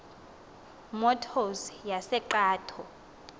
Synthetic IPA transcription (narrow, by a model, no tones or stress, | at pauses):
mɔtʰɔsjasɛǃaːtʰɔ